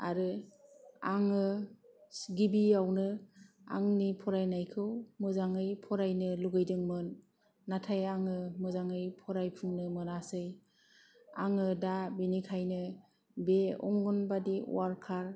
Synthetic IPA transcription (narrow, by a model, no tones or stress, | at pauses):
aɾɯ | aŋɯ | ɡibiawnɯ | a̰ŋnipʰɔɾajnajkʰɯwmɯzaŋɯjpʰɔɾajnɯluɡɯjdɯŋmɯnː | atʰajaŋɯmɯzaŋɯjpʰɔɾajpʰɯŋnɯmɯnasɯj | aŋɯdabinikʰajnɯ | beɔ̰ŋɡɔnbadiṵwaɾkʰaɾ